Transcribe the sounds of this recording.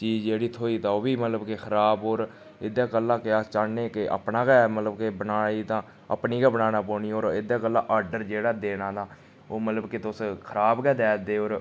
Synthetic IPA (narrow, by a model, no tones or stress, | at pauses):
t͡ʃiːd͡ʒd͡ʒeːɽiːt̪ʰoːiːt̪ãːoːbiːmət̪ləbkexʰəɾaːboːɾ | ɪd̪aːkəlːãːkɪaːt͡ʃaːneːkeʔə̰pnaːkɛːmət̪ləbkebənaːiːt̪ãː | ə̰pniːkaːbənaːnaːpoːniːoːɾɪd̪aːkəlːãːʔaːɾɖəɾd͡ʒeːɽaːd̪eːnãːd̪aː | oːmət̪ləbkɪt̪ʊskʰəɾaːbkɛːd̪ɛːd̪eːoːɾ